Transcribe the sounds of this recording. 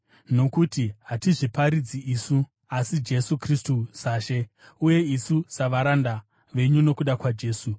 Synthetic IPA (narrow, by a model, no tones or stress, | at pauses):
no̞kutiɦatiʐipaɾid͡ziisu | asid͡ʒe̞sukristusaːʃe̞ | uje̞isusaʋaɾanda | ʋe̞ɲuno̞kuɗakwad͡ʒe̞ːsu